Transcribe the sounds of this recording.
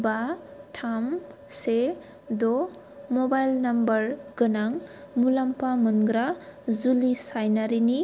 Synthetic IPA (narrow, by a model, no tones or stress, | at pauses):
batʰamse | dɔ | mɔbajlnambɐɾɡɯnaŋ | mulampamunɡɾazulisajnaɾini